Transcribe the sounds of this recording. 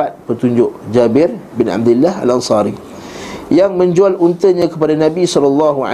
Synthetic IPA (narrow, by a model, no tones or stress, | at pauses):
at̪̚pət̪uɲd͡ʒʊʔd͡ʒabɪrbɪna̰b̚d̪ulːaha̰lansɑɾi | jaŋmə̃ɲd͡ʒualunt̪əɲãkəpadanãbisɔlɑlːɑɦua̰